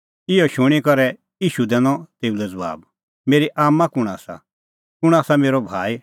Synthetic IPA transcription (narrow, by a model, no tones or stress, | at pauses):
ɪɔʃʊɽ̃ikɔɾɛ | iːʃud̪ɛ̃ːnɔ̃t̪eːulɛd͡zɐʋa̰ːb | meːɾiʔaːmːãkʊɽ̃aːsa̰ | kʊɽ̃aːsameːɾobʱaːi